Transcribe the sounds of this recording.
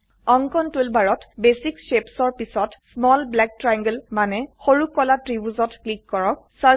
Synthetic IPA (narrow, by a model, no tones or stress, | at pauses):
ɔŋkɔntulbaɹɔtbesikʃepsɔɹpisɔtsmɔlblɛk̚tɹajŋɡəlmanɛxoɹukːɔlatɹibuzɔtklikːɔɹɔk̚sa